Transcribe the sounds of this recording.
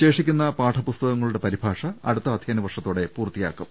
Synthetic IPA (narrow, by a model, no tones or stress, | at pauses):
ɕe̞ːʂikʲːunːɐpaːʈʰɐpust̪ɐɣɐŋːɐɭuɽe̞pɐɾibʱaːʂɐɐ̰ɽut̪ːɐːd̪ʱjɐːnɐʋɐrʂɐt̪ːoːɽe̞puːrt̪ːija̰ːkːum